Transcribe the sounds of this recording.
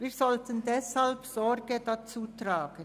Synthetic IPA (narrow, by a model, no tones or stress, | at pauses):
viːʁzɔltʰəndɛshalpsɔʁɡədat͡suːtʁaːɡ̥ən